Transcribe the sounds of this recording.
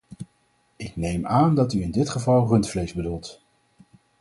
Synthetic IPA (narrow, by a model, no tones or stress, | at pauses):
ɪknejmaːndɑtyɪndɪtχəvɑlˠrɵntflejzbədulˠt